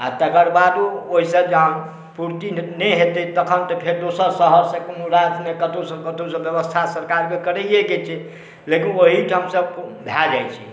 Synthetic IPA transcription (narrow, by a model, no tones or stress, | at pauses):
at̪əkəɾbad̪uoɦisəbd͡ʒəɦən | puɾt̪inɛɦet̪ɛt̪əkʰənt̪ɔpʰeɾd̪osəɾsəɦəɾsẽkmuɾad͡ʒ̪mekət̪osə̃kət̪osə̃bjəbəst̪ʰasəɾkaɾkekəɾɛjeɡet͡ʃʰɛ | lekinoɦiʈʰəmsəbbʱjad͡ʒajt͡ʃʰḭ